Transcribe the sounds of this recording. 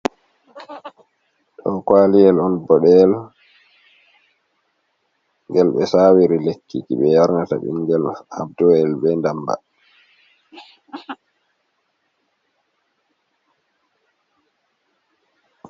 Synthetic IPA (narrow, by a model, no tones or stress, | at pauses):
ɗɔ̰kwalijɛlɔnbɔɗɛl | ŋɡɛlɓɛsawiɾilekʰːikḭɓɛjaɾŋata̰ɓḭŋɡɛlha̰bdɔɛlbɛndamba̰